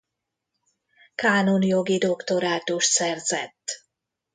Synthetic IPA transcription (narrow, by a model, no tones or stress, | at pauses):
kaːnonjo̞ɡid̪o̞kt̪o̞ɾaːt̪uʃt̪sɛrzɛt̪ː